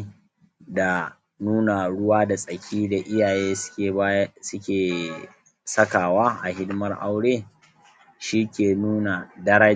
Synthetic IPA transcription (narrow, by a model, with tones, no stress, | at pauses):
da˨ | nuː˦na˨ɽʊ˦waː˦da˨sʼɐ˨kʲʰiː˦da˨ʔɪ˦jaː˨je̥ː˦kʲeː˨˦sʊ˦kʲeː˨ | sɐ˦kaː˨waː˦ʔa˨ɦɪ˦dɪ˦mɐ˦rʔa̰˦wɽeː˦ | ʃiː˦kʲeː˨nuː˦na˨dɐ˦ɾa˦